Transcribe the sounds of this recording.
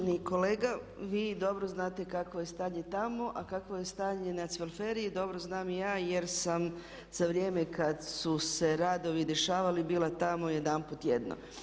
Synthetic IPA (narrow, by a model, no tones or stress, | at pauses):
niko̞leːɡa | ʋiːd̪o̞bɾoznaːt̪e̞kakʋojest̪aːɲet̪amo̞ʔakakʋojest̪aːɲenat̪siʋelfeɾiid̪o̞bɾoznaːmijaːjeɾsam | z̥aʋɾjeːmekad̪suse̞ɾaːd̪o̞ʋid̪e̞ʃaːʋalibiːlˠat̪amoje̞d̪anput̪jed̪no̰